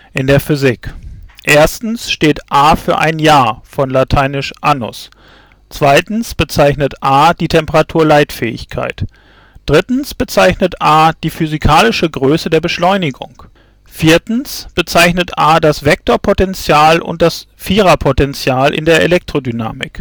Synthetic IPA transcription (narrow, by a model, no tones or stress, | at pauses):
ʔɪndeːɐfʏzɪkʔeːɐstn̩sʃteːtʔaːfyːɐʔa̰ɪnjaːɐfɔnlatʰaɪnɪʃʔanʊ̰s | t͡sv̥aɪtn̩sb̥ət͡saɪçnətʔaːd̥iːtʰɛmpəʁatʰuːɐlaɪtfɛ̰ːɪ̰çkʰa̰ɪt | d̥ʁɪtn̩sb̥ət͡saɪçnətʔaːd̥iːfyzikʰaːlɪʃəɡʁøːsədeːɐbəʃlɔʏnɪɡʊ̰ŋ | fiːɐtn̩sb̥ət͡saɪçnətʔaːdasv̥ɛk̚toːɐpʰotɛnt͡sjaːlʔʊ̰nt̚d̥as | fiːʁapʰotɛnt͡sjaːlʔɪ̰ndeːɐʔḛlɛk̚tʁ̥odyna̰ːmɪ̰k